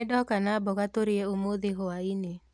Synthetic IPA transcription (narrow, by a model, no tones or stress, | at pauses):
dɔkanabɔkat̪oɾɪeomoðeɦoaine